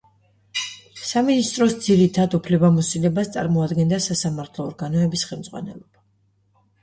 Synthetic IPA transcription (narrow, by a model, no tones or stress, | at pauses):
saminist̪ʼɾɔsd̪ziɾit̪ʰad̪upʰlɛbamɔsilɛbast̪sʼa̰ɾmɔad̪ɡɛnd̪asasamaɾt̪ʰlˠɔːɾɡanɔɛbisχɛlˠmd̪zʼʁwa̰nɛ̰lˠɔb̥a